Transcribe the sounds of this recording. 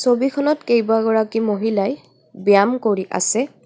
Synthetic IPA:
sobikʰɔnɔtkejbaɡɔɹakimoɦilaj | biamkoɹiʔa̰sɛ

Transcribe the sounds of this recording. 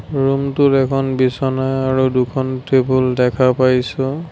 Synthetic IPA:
ɹumtʊtɛkʰɔnbisɔnajaɹudukʰɔntebuldɛkʰapajsʊ

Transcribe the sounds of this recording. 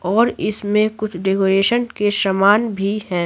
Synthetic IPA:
ɔːɾɪsmẽkʊt͡ʃʰɖekoːɾeːʃənkeʃɐmaːnbʱihɛ̃ː

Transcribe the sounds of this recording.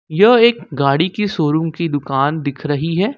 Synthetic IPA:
jɐɦeːkɡaːɽikisoːɾʊ̃ŋkid̪ʊkaːnd̪ɪkʰɾɐɦiɦɛː

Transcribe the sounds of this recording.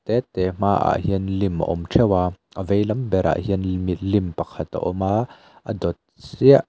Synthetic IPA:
t̪ɛt̪ɛm̥aːʔa̰ʔhiənlimə̰ʔɔmtʰɛwaː | ʔəvejlɐmbɛɾʔa̰ʔɦiənmit̪̚limpɐkʰɐt̪a̰ʔɔmaː | ʔə̰dɔt̪̚siəʔ

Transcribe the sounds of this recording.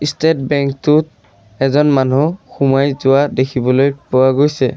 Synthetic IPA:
istet̚bɛŋktʊt̚ | ɛzɔnmanuxumajzʊwadekʰibɔlojpʊwaɡojsɛ

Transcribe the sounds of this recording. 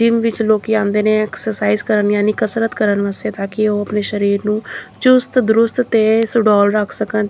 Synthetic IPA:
ɪmʋɪt͡ʃloːkiãːnd̪eːneːɛːksəɾsaːizkəɾənjaːnikəsɾət̪kəɾənʋəseːt̪aːkɪoːəpneːʃəɾiːɾnũːt͡ʃʊst̪d̪ʊɾʊst̪t̪eːsʊɖɔːlɾəkʰsəkən

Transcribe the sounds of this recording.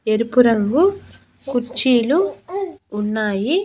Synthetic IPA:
eɾupuɾɐŋɡu | kuɾt͡ʃiːluː | nːaːji

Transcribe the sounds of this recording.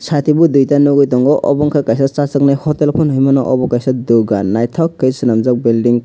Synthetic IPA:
sʰat̪ʰibud̪ujtanɔɡɔjt̪ɔŋɡɔʔɔ̰bɔŋkʰakajsɔt͡sasɔknajhɔtelpʰɔnɦɯjmɔnɔʔɔ̰bɔkajsɔd̪oɡanːajt̪ʰɔkːejsɯnamzɔk̚bilɖiŋ

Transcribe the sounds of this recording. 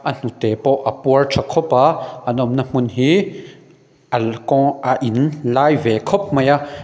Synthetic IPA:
ʔan̥ũt̪eːpoʔapwərt͡ʃʰakʰopaʔanɔ̃mnamunɦi | ʔalkɔ̃ʔaʔinlaːjveːkʰop̚mãja

